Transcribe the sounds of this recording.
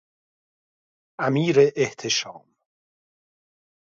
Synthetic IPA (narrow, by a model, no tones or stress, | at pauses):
ʔæmiːɾeʔːht̪ʰeʃɒ̰ːm